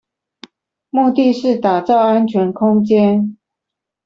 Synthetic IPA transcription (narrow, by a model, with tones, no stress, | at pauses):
mu˥˧t̪i˥˧ʂɻ̩˥˩t̪a˨˩t͡sɑ˥˩ʊa˦˥nt͡ɕʰɥɛ˧˥nkʰʊ˥ŋt͡ɕjɛ˥n